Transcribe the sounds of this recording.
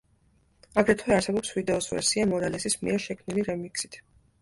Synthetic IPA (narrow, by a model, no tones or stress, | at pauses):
aɡɾɛt̪ʰwɛaɾsɛbɔpsvid̪ɛɔsvɛ̰ɾsiamɔɾalɛsismḭɛɾʃɛkʰmniliɾɛmiksi̥t̪ʰ